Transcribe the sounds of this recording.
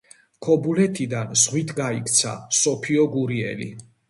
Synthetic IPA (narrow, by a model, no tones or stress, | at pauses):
kʰɔbulɛt̪ʰid̪anzʁwit̪ʰɡaikʰt̪sʰa̰sɔpʰiɔɡuɾiɛ̰lḭ